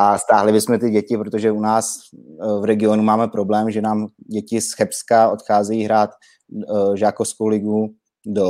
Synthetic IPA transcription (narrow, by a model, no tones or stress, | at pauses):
ʔast̪aːɦlɪbɪsmɛt̪ɪɟɛcɪpɾot̪oʒɛunaːs | vɾɛɡɪo̞numaːmɛpɾo̞blɛːmʒɛnaːmɟɛcɪsxɛpskaot̪xaːzɛjiːɦɾaːt̪ | ʒaːkofskowlɪɡu | do